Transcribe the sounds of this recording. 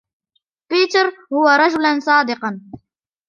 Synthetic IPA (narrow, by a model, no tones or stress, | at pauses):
piːt̪ɑɾˤhʊwaɾˤɑd͡ʒʊlansˤɑːd̪ɪqɑn